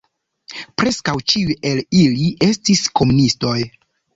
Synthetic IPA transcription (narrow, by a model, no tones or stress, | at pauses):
pɾe̞skawt͡ʃiuje̞liliʔe̞stisko̞munisto̞j